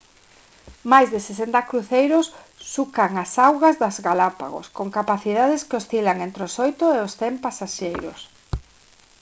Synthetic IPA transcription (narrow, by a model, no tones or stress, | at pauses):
majzðɪsesent̪ɐkɾuθejɾʊsː | ukaŋasawɣazðazɣalapa̰ɣo̰skoŋkapaθiðaðɪskeosθilaŋent̪ɾeosojt̪ʊeosθempasaʃejɾʊ̰s